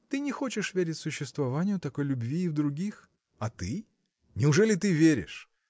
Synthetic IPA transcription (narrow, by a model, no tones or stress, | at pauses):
t̪ɨnʲɪxo̞t͡ɕɪʂvʲeɾʲɪtʲsʊɕːɪst̪vɐvanʲɪjʊt̪ɐko̞jlʲʊbvʲiːvd̪ɾʊɡʲix | ɐt̪ɨ | nʲɪʊʐɛlʲɪt̪ɨvʲeɾʲɪ̰ʂ